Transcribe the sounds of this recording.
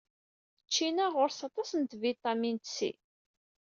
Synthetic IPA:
t͡ʃːinæʁʊɾsɑt̪ˤɑsənt̪vit̪ˤɑmint̪sḭ

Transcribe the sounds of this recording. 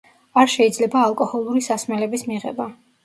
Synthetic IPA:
aɾʃɛid̪zlɛbaːlˠkʼɔhɔlˠuɾisasmɛlɛbismiʁɛ̰ba

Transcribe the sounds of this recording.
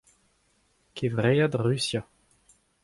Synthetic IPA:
kʰevʁejad̪ʁysja

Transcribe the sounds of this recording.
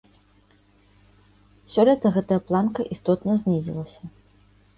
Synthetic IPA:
sʲɔlʲɛt̪ɐɣɛt̪ɐjɐplˠankɐʔist̪ɔt̪nɐzʲnʲizʲḭlˠɐsʲɐ

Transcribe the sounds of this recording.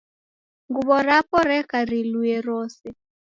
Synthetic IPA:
ŋɡuβɔɾapɔɾɛkaɾiluɛɾɔːsɛ

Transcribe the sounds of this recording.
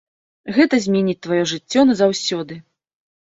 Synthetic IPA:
ɣɛt̪ɐzʲmʲɛnʲit͡sʲt̪vajɔʐɨt͡sʲːɔnɐzawsʲɔd̪ɨ

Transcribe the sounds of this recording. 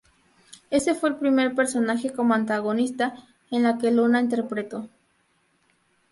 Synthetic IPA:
e̞se̞fweelpɾime̞ɾpe̞ɾso̞naxekomoant̪aɣonist̪a | enlakelunaint̪̬e̞ɾpɾet̪o̞

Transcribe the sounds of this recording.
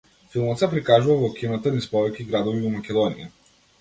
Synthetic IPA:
filˠmɔt̪sɛpɾikaʒuvavɔkʲʰinat̪anispɔvɛkʲiɡɾad̪ɔvivɔmakʲɛd̪ɔnḭja̰

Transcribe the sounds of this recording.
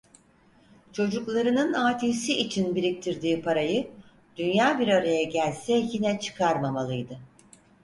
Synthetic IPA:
t͡ʃʰo̞d͡ʒuklˠaɾɯnɯnaːt̪ʰisiʔit͡ʃʰinbiɾic̚t̪ʰiɾd̪iːpʰaɾajɯ | d̪̥ynjaːbiɾaɾajɛɟælʲsɛjinɛt͡ʃʰɯ̥kʰaɾmamalˠɯjd̪ɯ

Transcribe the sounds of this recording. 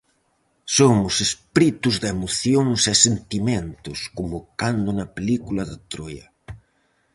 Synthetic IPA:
somʊsespɾit̪ʊzðemoθjoŋsɛsent̪imẽnt̪ʊskʊmokand̪ʊnɐpelikulɐðat̪ɾojɐ̰

